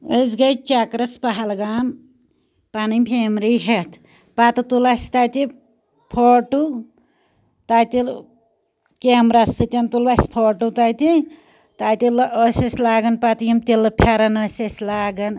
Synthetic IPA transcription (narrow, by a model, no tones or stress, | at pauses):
ezɡɐjt͡ʃakɾɐspaɦalɡam | panɨmpʰemɾiɦet̪ʰ | pat̪ut̪ulasʲt̪ajt̪i | pʰoʈu | t̪ajt̪il | kemɾasɨt̪ʲent̪ulbaspʰoʈut̪ajt̪i | t̪ajt̪iləsesʲlaːɡɐnpat̪ujimt̪ilɨpʰaɾɐnɐsesʲlaːɡɐn